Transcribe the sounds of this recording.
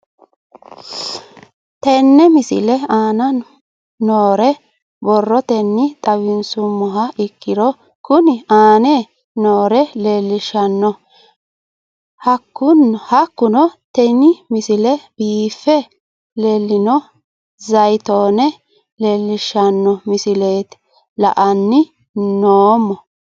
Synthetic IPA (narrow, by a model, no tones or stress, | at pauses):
t̪ɛnːɛmɪsɪ̰lɛaːnɐ | noːɾɛ | bɔrːɔt̪ɛnːɪt̪ʼɐwɪnsʊmːɔɦɐʔɪkːɪd̪ɔ | kʊnɪaːnɛ | noːɾɛleːlːɪʃɐnːɔ | hɐkːʊnhɐkːʊnɔt̪ɛnɪmɪsɪlɛbiːfːɛ | leːlːɪnɔ | zɐjt̪o̞ːnɛ | le̞ːlːɪʃɐnːɔmɪsɪleːt̪ | lɐ̰ʔɐnːɪ | noːmːɔ